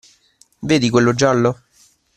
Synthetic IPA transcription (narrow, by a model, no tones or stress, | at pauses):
veːd̪ikwelːod͡ʒalːo